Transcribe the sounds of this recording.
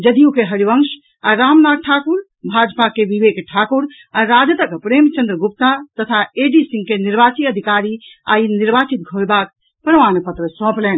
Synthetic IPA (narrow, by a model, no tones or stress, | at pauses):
d͡ʒəd̪ijukeɦəɾiʋəŋʃ | aɾamnad̪̚ʈʰakuɾ | bʱad͡ʒpakeʋiʋekʈʰakuɾ | aɾad͡ʒət̪əkpɾemt͡ʃə̃nd̪ɾəɡup̚t̪at̪ət̪ʰaeɖisĩŋɡkeniɾbat͡ʃiəd̪ʱikaɾia̰iniɾbat͡ʃit̪̚ɡʱojbak | pɾəʋanpət̪ɾəsɔ̃plɛn